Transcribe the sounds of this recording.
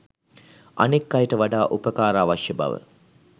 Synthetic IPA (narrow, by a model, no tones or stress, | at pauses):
a̰nekːajʈəʋaɖaːʔupəkaːɾaːʋaʃjəba̰ʋə̰